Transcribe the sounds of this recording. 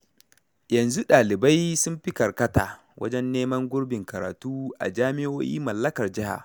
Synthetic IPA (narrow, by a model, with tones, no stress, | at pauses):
jɐ˨nzu˦ɗaː˨lɪ˨ba˦jsʊ˦mɸɪ˦kɐ˨rkɐ˦ta̰ː˨ | wʔɐ̰˦d͡ʒɛ˦nːeː˦mɐ˦ŋɡʷʊ˦ɽbɪ˨ŋkɐ˨ɾa̰ː˨tuː˦ʔa̰˨d͡ʒaː˦mɪ˦ʔoː˦jḭː˦mɐ˨lːɐ˦kɐ˨rd͡ʒɪ˦ha̰˨